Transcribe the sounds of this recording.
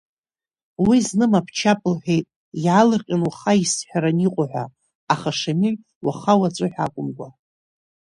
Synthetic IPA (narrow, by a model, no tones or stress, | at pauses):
wiznɨmapʰt͡ʃʰapʼɨlħʷᶣejtʼ | jalɨrqʲʼanwaχaisħᶣaɾaniqʷʼʊħʷa̰ | aχaʂamiʕ | waχawat͡sʷʼʊħʷᶣa̰kʷʼʊmɡʷa